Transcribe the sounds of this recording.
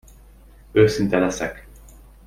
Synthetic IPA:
øːsint̪ɛlɛsɛk

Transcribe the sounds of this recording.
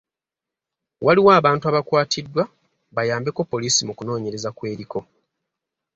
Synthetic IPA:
wʔaliwaːβaːntuaβakwaːtʰidːwa | βajaːmbe̞ko̞pːo̞liːsimukuno̞ːɲe̞ɾe̞zakwe̞ːɾiko̞

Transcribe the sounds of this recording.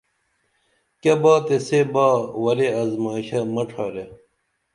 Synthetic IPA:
kɐbaːt̪esebaːwɐɾeɐzmaːɕɐmɐʈ͡ʂʰaːɾe

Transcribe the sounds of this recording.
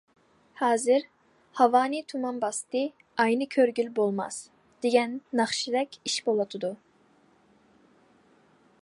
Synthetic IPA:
hɑːzɨɾ | hɑvɑːnɨt̪ʰumɑnbɑst̪ɨ | ɑjnɨkʲʰøɾɡʲylbolˠmɑ̰s | d̪̥eɡʲɛnːɑχʃid̪ɛkʲiʃbolˠɑt̪ʰɨd̪u

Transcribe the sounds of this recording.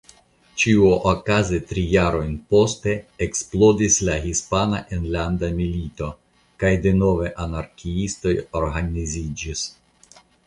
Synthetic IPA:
t͡ʃiuʔokazetɾijaɾo̞jnpo̞ste̞ːksplo̞dislaɦispanaʔenlandamilito̞ | kajde̞no̞ve̞ʔanaɾkiisto̞jo̞ɾɦanizid͡ʒis

